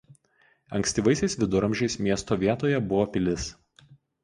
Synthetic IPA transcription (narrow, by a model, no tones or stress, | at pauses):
ɐŋʲksʲt̪ʲiːʋɐɪsʲɛɪsʋʲɪd̪ʊɾɐmʲʒʲɛɪsmʲiɛst̪oːʋʲiɛt̪oːjɛbʊʋoːpʲɪlʲɪs